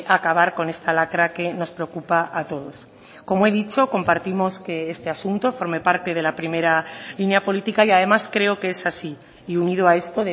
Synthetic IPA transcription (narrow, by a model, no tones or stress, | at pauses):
ʔakaβ̞aɾko̞ne̞st̪alakɾake̞no̞spɾe̞okupaʔat̪o̞ðo̞s | ko̞moe̞ðit͡ʃo̞ko̞mpaɾt̪imo̞ske̞est̪e̞asunt̪o̞fo̞ɾme̞paɾt̪e̞ð̞e̞lapɾime̞ɾalinjapo̞lit̪ikaiað̞e̞maskɾe̞okeesasiː | uniðoae̞st̪o̞ðe